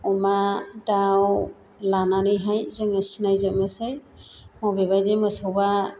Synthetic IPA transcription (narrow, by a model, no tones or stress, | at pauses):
ɔmadaw | lananɯjɦajzɯŋəsinajzɯmɯsɯj | mɔwbeβajdemɯsɔwba